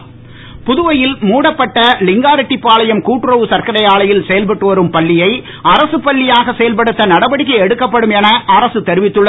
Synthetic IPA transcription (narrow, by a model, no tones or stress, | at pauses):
pʊðɯʋɐjɪlmuːɽɐpːɐʈːɐlɪŋɡaːɾɐʈːipːaːlɐjɐmkuːʈːɯɾɐʋɯsɐɾkɐɾɐjaːɭɐjɪlsɛjɐlpɐʈːɯʋɐɾɯmpɐɭːɪjɐɪ | ɐɾɐsɯpɐɭːɪjaːɣɐsɛjɐlpɐɽɯt̪ːɐnɐɽɐbɐɽɪk̬ːɐɛɽɯkːɐpːɐɽɯmɛnɐʔɐɾɐsɯt̪ɛɾɪʋɪt̪ːɯɭːɐ